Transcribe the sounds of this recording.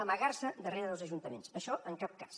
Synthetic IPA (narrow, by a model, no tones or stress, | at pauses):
əməɣaɾsəd̪əreɾəðəlˠzəʒunt̪əmensəʃɔʔəŋkap̚kḁs